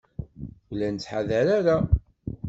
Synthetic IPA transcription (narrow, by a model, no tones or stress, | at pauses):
ulænt͡sːħaðæɾaɾa